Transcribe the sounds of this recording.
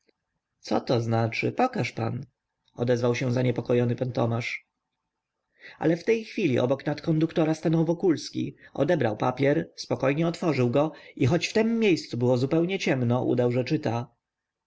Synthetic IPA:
t̪sɔt̪ɔznat͡ʂɘ̰pɔkaʂpa̰n | ɔ̰d̪ɛzvawɕɛ̃zaɲɛpɔkɔjɔnɘpant̪ɔmaʂ | a̰lɛft̪ɛjxfʲilʲiʔɔ̰bɔknat̪kɔnd̪ukt̪ɔɾast̪anɔwvɔkulskʲḭʔɔ̰d̪ɛbɾawpa̰pʲjɛɾspɔkɔjɲɛɔt̪fɔʐɘwɡɔixɔt͡ɕft̪ɛmːʲejst̪subɘwɔzupɛwɲɛt͡ɕɛmnɔʔṵd̪awʐɛt͡ʂɘt̪a

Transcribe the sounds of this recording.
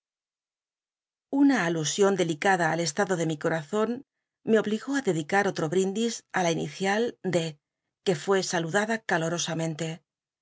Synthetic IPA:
unaːlusjo̞nd̪e̞likaðaːle̞st̪aðo̞ðe̞miko̞ɾaθo̞n | me̞o̞β̞liɣo̞aðe̞ðikaɾo̞t̪ɾo̞βɾind̪isalainḭθjald̪e̞ | ke̞fwe̞saluðaðakalo̞ɾo̞samẽ̞nt̪e̞

